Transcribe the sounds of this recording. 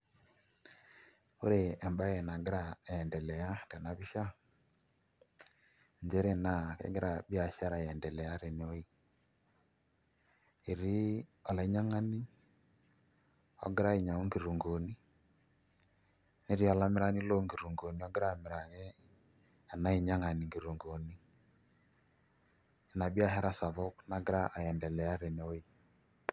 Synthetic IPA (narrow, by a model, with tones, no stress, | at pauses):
o˦ɾeː˨mba˦jɛ˨na˨ɡi˦ɾa˦˨ɛ˨ndɛ˨lɛ˨ja˦tɛ˨na˦βi˦ʃa˦ | ɲd͡ʒɛ˦ɾe˦na˨kḛ˦ɡi˦ɾa˨bi˦a˨ʃa˦ɾa˨jɛ˨ndɛ˨lɛ˨ja˦ɾe˨ne˨o˦i˦ | e˨ɾi˦ɔ˨la˨˦ɲa˦ŋa˦ni˦ | ɔ̰˦ɡɪ˦ɾa˦i˨ɲa˨o˦ŋɡi˨ɾu˨ŋɡo˨ni˦ | ne˦ɾi˦ɔ˦la˦mɪ˦ɾa˦ni˦lo˦ŋɡi˨ɾu˨ŋɡo˨ni˨˦ɔ˦ɡɪ˦ɾa˦˨me˨ɾa˨ɣɛ˦ | a˨na˦i˨ɲa˦ŋa˨ni˨ŋɡi˨ɾu˨ŋɡo˨ni˦˨ | na˨bi˦a˦ɦɛ˦ɾa˦sa˨βɔ˦kna˨ɡɪ˦ɾa˦ʔa˨jɛ˨ndɛ˨lɛ˨a˦ɾe˨ne˨o˦i˦˨